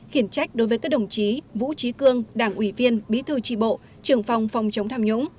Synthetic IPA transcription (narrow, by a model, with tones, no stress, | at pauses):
xi˧˩ənt͡ɕa˦˥jk̟̚ɗo˨˦jvəː˨˦jkaː˦˥k̚ɗə˧˩wŋ͡mt͡ɕi˨˦vṵ˧˥t͡ɕi˨˦kɨ˧əŋɗaː˧˩ŋʔwi˧˩vi˧ənɓḭ˨˦t̪ʰɨ˧t͡ɕḭ˧˩ɓo̰˧˨ | t͡ɕɨ˨˩əŋfa˨˩wŋ͡mfa˨˩wŋ͡mt͡ɕə˨˦wŋ͡mt̪ʰaː˧mɲʊ̰˧˥ŋ͡m